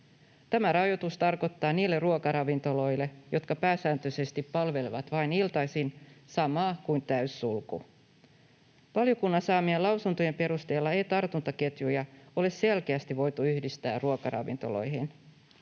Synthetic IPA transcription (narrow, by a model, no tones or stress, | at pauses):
t̪æmæɾɑjo̞t̪ust̪ɑrko̞t̪ːɑːniːlːerruokɑɾɑʋint̪o̞lo̞jlːe̞jʔo̞t̪kɑpæːsæːnt̪øse̞st̪ipːɑlʋe̞liʋɑt̪ʋɑinilt̪ɑjsinsɑmɑːkujnt̪æysːulkṵ | ʋɑljo̞kunːɑsɑːmielɑwsunt̪oje̞mpe̞ɾust̪e̞ːlːɑe̞jt̪ɑrt̪unt̪ɑke̞t̪jujɑo̞le̞sse̞lkeæst̪iʋo̞jt̪uyhdist̪æ̰ːrruokɑɾʔɑ̰ʋḭnt̪o̞lo̞̰jɦin